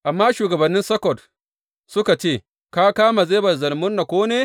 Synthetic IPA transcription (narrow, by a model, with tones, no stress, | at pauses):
ʔa˨mːaː˦ʃuː˨ɡɐ˨bɐ˨nːɪ˦nsɐ˦kɔ˨t | sʊ˦ka˨t͡ʃeː˦˨ | ka˦kaː˦ma˨zeː˦bɐ˨zɐ˨lmʊ˦nːa˨kʷoː˦neː˦